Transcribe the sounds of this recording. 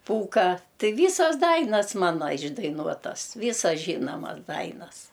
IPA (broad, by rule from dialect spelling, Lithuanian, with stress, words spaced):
ˈpuːkɑː ˈtɨ ˈʋʲiːsɐs ˈdɐɪnɐs ˈmɑːnɐ ɪʒdɐɪˈnuɔtɐs ˈʋʲiːsɐs ˈʒʲiːnoːmɐs ˈdɐɪnɐs